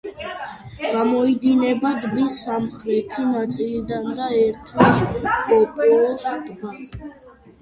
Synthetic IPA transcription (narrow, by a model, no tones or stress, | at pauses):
ɡ̥amɔid̪inɛbad̪bisamχɾɛt̪ʰinat̪sʼilid̪and̪aɛɾt̪ʰɛspʼɔpʼulɔsd̪ɡa